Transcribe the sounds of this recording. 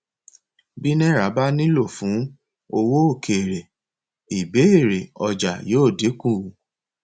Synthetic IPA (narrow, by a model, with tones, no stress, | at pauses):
bi˦nɛ̃˦ɾa˨˦ba˦nĩ˦lo˦˨fũ˨˦ | o˧wo˦o˦˨kʰe˨ɾe˨ | i˨be˨˦e˦˨ɾe˨ɔ˧d͡ʒa˨joː˦˨de˨˦kũ˦˨